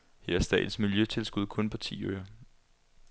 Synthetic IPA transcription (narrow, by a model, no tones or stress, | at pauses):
heɐ̰ɐsd̥ɛ̰ːd̥n̩smiljøt͡sʰe̝lsɡ̥uð̞̰ˠkʰɔ̽npʰɒ̽t͡sʰḭːøɐ